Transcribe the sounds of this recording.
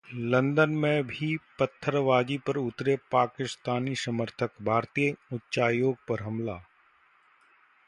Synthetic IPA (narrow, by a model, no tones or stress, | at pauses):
lɐ̃nd̪ənmẽbʱipɐt̪ʰːəɾʋaːd͡ʒipɐɾʊt̪ɾepaːkɪst̪aːnisɐməɾt̪ʰəkbʱaːɾt̪ijəʊtːʃaːjoːɡ̚pɐɾɦɐmlaː